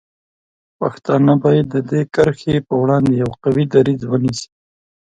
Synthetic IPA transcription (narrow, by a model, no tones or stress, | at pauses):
paxt̪ɑnabɑjad̪ːəd̪ekəɾxepəwɽɑnd̪ejawqawid̪aɾizwənisi̥